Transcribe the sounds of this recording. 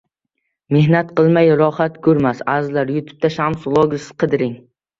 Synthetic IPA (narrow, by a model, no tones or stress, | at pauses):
mehnat̪̚qɨlˠmajɾɒhat̪kʰɵɾmasazlaɾjʊt̪ʰʊ̥p̚t̪ʰaʃamsʊlˠɒɡʲɪsɪ̥qʰɨd̪ɪɾɪŋ